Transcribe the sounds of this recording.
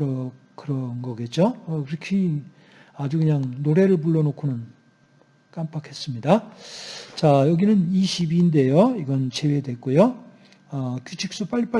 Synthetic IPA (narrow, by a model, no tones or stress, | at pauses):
ɾʌ | kɯɾʌnɡʌɡe̞t̚t͡ɕ͈oʌkɯɾʌkʰi | ad͡ʑukɯɲaŋnoɾe̞ɾɯɭpuɭːʌnokʰunɯn | k͈amp͈akʰe̞s͈ɯmɲida | t͡ɕajʌɡinɯniɕʰibinde̞joiɡʌnt͡ɕʰe̞wedwe̞k͈ujo | ʌkjut͡ɕʰik̚s͈up͈aʎːip͈a